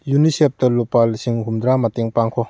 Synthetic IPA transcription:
junisep̚tɐlopalsiŋɦumd̪ɾamateŋpaŋkʰɔ

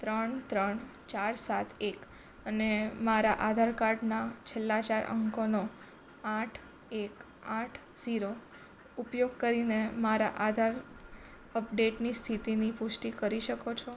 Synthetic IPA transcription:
t̪ɾəɳt̪ɾəɳt͡ʃaɾsat̪ʰek | ənemaɾaʔad̪ʱaɾkaɾɖnat͡ʃʰelːat͡ʃaɾə̰ŋkono | aʈʰ | ek | aʈʰz̥iɾo | upjoɡ̚kəɾinemaɾa̰ʔad̪ʱaɾ | əpɖeʈnist̪ʰit̪inipʊʃʈikəɾiʃəkot͡ʃʰo

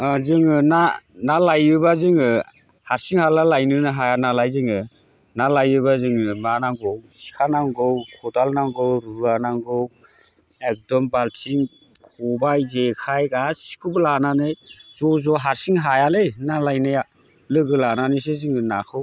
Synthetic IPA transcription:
zɯŋɯnanalajɯbazɯŋɯ | haɾsiŋhalalajnɯnɯɦajanalajzɯŋɯ | nalajɯbazɯŋɯmanaŋɡɔwsi̥kʰanaŋɡɔwkʰɔdalnaŋɡɔwɾuanaŋɡɯw | ek̚dɔmbaltʰiŋ | kʰɔbajzekʰajɡasi̥kʰɯbɯlananɯjzɔzɔɦaɾsiŋɦajalɯjnalajnɯja | lɯɡɯlananɯs̬ezɯŋɯnakʰɯw

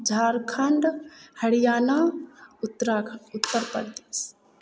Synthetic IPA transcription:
d͡ʒʱaːɾkʰɐɳɖhəɽijaːnat̪ːɾaʊt̪ːəɾpə̰ɾd̪eːs

